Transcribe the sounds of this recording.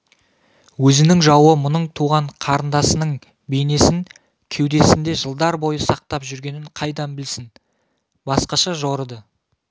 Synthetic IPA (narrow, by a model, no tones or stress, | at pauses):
wɵzɪnɪŋʒɑwəmʊnəɴt̪ʰuʁɑɴqʰɑɾənd̪ɑsənəɴ | be̞jne̞sɪŋ | kʲʰe̞wd̪e̞sɪnd̪e̞ʒəlˠd̪ɑɾbo̞jəsɑq̚t̪ɑpʒʏɾɡʲe̞nɪɴqʰɑjd̪ɑnbɪlsɪn | bɑsqɑʃɑʒoɾəd̪ə